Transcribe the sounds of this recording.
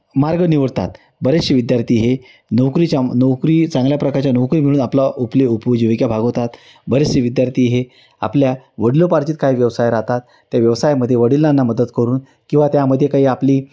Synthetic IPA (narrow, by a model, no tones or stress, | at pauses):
maɾɡəniʋəɽt̪a̰t̪ | bəɾeɕəʋid̪jaɾt̪ʰiːɦe | nəwkɾiːt͡ɕanəwkɾiːt͡sãŋɡljapɾəkaɾt͡ɕjanəwkɾimiɭ̃uːnaplaupleupd͡ʑəʋikjabʱaɡɦot̪at̪ | bəɾesəʋid̪jaɾt̪iːɦe | a̰pljaʋəɽilopaɾt͡ɕiːt̪̚kaɦiːʋjəʋsajɾat̪at̪ːjaʋjəʋsajməd̪ʱːjeʋəɽilːanːaməd̪ət̪kəɾuːn | kĩw̃ʋat̪jaməd̪ʱːjekaɦiːapliː